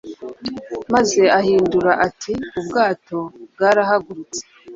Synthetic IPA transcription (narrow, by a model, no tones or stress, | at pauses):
maze̞ahiːnduɾaʔatʰiubɡaːto̞bɡaːɾahaɡuɾut͡se̥